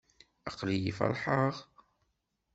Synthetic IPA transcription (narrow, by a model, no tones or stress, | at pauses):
ɑqlijifɑ̰lħəʁ